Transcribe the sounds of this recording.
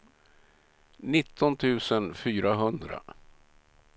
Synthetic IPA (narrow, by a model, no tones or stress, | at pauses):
nɪt̪ʰːɔnt̪ʰʉ̟ːsənfyːɾaɦɵnd̪ɾa̰